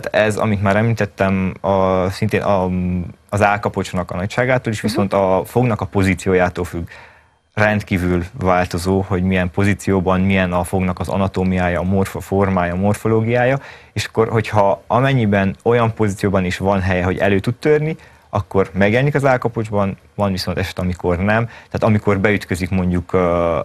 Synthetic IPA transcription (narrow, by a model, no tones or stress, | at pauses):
t̪ɛzɒ̰mit̪maːɾɛmliːt̪ɛt̪ːɛmɒsint̪eːnʔɒ | ɒzaːlkɒpo̞t͡ʃnɒkɒnɒcʃaːɡaːt̪oːliʃʋiso̞nt̪ɒfo̞ɡnɒkɒpo̞ziːt̪sijoːjaːt̪oːlfyɡ | rɛnt̪kiːvylvaːlt̪o̞zoːho̞ɟmijɛmpo̞ziːt̪sijoːbɒnmijɛnɒfo̞ɡnɒkɒzɒ̰nɒt̪oːmijaːjɒːmorfoformaːjɒmo̞rfo̞loːɡijaːjɒeːʃɒ̥kːo̞rho̞chɒɒmɛɲːibɛno̞jɒmpo̞ziːt̪sijoːbɒneːʃʋɒnɦɛjɛɦo̞ɟɛ̰løːt̪ut̪t̪ørni | ɒkːo̞rmɛɡjɛlɛnikɒzaːlkɒpo̞d͡ʒbɒn | vɒnviso̞nt̪ɛʃɛ̥t̪ɛɒmiko̞rnɛmt̪aːt̪ɒmiko̞rbɛyt̪kø̞zikmo̞ɲɟukː